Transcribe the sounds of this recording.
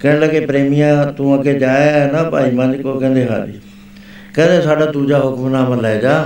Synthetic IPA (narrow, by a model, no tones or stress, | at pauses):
kɐ̃ɦɪ̃ləɡepɾeːmijãt̪ũãkʰed͡ʑaːaɦnapa̰ːimãːd̪ikokɐ̃ːnd̪eɦa̰ːɗḭ | kɐ̃nd̪esaːɗat̪ũːd͡ʑaɦʊkmnãːməlaːed͡ʑaː